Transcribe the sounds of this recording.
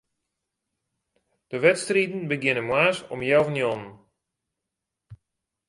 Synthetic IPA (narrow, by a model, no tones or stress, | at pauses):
d̥əʋɛtstritn̩bəɡjɪnənmwaːsɔmjawvənjɔnən